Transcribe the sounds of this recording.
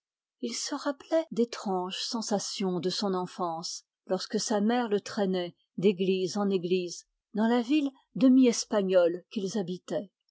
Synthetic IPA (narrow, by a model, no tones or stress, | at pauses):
ilsəʁaplɛd̪et̪χɑ̃ʒsɑ̃sasjɔ̃d̪əsɔ̃nɑ̃fɑ̃s | lɔʁskəsamɛʁlət̪χɛnɛ | d̪eɡlizɑ̃neɡliz | d̪ɑ̃lavil | d̪əmiɛspaɲɔlkilzabit̪ɛ